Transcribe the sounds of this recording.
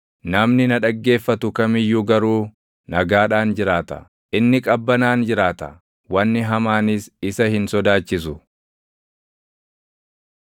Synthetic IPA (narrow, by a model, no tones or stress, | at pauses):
nɐmnɪnɐᶑɐɡːe̞ːfːɐt̪ʊkɐmɪjːʊɡɐɾuː | nɐɡaːᶑaːnd͡ʒɪɾaːt̪ɐ̰ | ʔɪnːɪkʼɐbːɐnaːnd͡ʒɪɾaːt̪ɐ | wɐnːɪɦɐmaːnɪsɪsɐhɪnsɔd̪aːt͡ʃːɪsʊ